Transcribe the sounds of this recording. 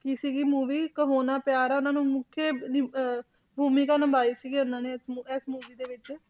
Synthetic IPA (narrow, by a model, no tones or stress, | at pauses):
kiːsiːɡiːmuːʋiːkəɦoːnaːpjaːɾaʊnãːnũːmʊkʰːeːn | bʱuːmiːkaːnəmbaːiːsiːɡiːʊnãːneːsɛsmuːʋiːd̪eːʋɪt͡ʃː